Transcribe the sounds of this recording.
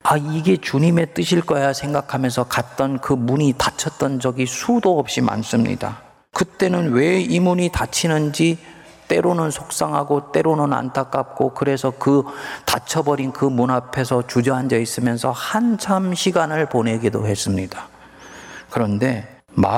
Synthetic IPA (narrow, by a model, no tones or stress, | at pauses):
aiɡe̞t͡ɕuɲime̞t͈ɯɕʰiɭk͈ʌjasʰe̞ŋɡakʰamjʌnsʰʌkat̚t͈ʌnkɯmuɲitat͡ɕʰʌt̚t͈ʌnd͡ʑʌɡisʰudoʌp̚ɕ͈ima̰ns͈ɯmɲḭda̰ | kɯt͈e̞nɯnwe̞imuɲitat͡ɕʰinɯnd͡ʑi | t͈e̞ɾonɯnsʰok̚s͈aŋɦaɡot͈e̞ɾonɯna̰ntʰak͈ap̚k͈okɯɾe̞sʰʌkɯtat͡ɕʰʌbʌɾinkɯmunapʰe̞sʰʌt͡ɕud͡ʑʌɦand͡ʑʌis͈ɯmjʌnsʰʌhant͡ɕʰamɕʰiɡanɯɭpone̞ɡido̰ɦe̞s͈ɯmɲid̥a | kɯɾʌnde̞ | ma̰